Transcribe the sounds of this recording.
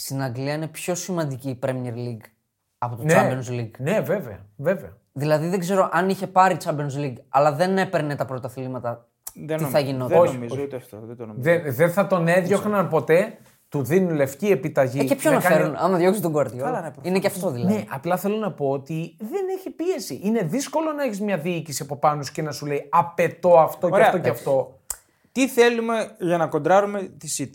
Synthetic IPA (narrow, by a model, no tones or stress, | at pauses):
st̪inɐɡliɐine̞pço̞simɐnd̪iciːpɾemieɾliɡ | ɐpo̞t̪onɐmenzliɡneve̞veɐve̞veɐ | ðilɐðiðeɡze̞ɾo̞ʔɐniçe̞pɐɾit͡sɐmbenzliɡɐlɐðe̞ne̞pe̞ɾnet̪ɐpɾo̞t̪ɐθlimɐt̪ɐ | iθɐʝinoozt̪ft̪oðeðenθɐt̪o̞ne̞ðʝoxnɐnpo̞t̪e̞ | t̪uðinunle̞fcie̞pit̪ɐʝiepçonɐeɾunɐmɐðʝoksit̪oŋɡoɐɾðʝolɐnepɾinekeɐft̪oðilɐneʔɐplɐθe̞lonɐpo̞ot̪iðe̞neçepie̞siʔine̞ðisko̞lo̞nɐeçizmɲɐðiicisiɐpo̞pɐnosce̞nɐsuleiɐpe̞t̪o̞ɐft̪o̞ɾeɐefɐt̪oceɐft̪o̞ | t̪iθe̞lume̞ʝɐnɐkond̪ɾɐɾumet̪isit̪